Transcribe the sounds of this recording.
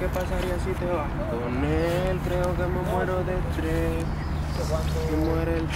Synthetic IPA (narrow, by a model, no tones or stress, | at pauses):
kepasaɾiasit̪eoa | t̪onelkɾeokememweɾoðet̪ɾe | emweɾel